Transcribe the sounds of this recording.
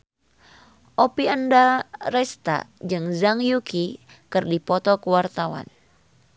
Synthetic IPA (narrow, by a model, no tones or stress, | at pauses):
ʔopiəndaɾɛst̪a̰d͡ʒɨŋzaŋjuki | kɨrdipɔt̪ɔkəwart̪awa̰n